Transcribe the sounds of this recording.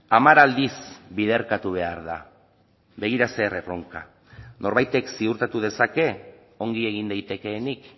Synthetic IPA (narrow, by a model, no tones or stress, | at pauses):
amaɾald̪isbið̞e̞ɾkat̪uβ̞e̞aɾða | βe̞ɣ̞iɾase̞ːrero̞ŋka̰ | no̞ɾβajt̪e̞ksiuɾt̪at̪uðe̞sake̞ | o̞ŋɡie̞ɣ̞ind̪ajt̪e̞ke̞ːnik